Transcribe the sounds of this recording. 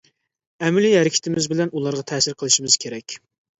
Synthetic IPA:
ɛmɪlihɛɾɪkʲʰɪ̥t̪ʰɪmɪzbɪlɛnulˠɑɾʁɑt̪ʰɛːsɪɾqʰəlˠɨʃimɨz̥kʲʰeɾɛkʲ

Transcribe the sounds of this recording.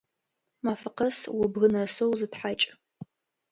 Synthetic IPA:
maːfɨqɐswʊbɣɨnɐsowzɨtħat͡ʃʼ

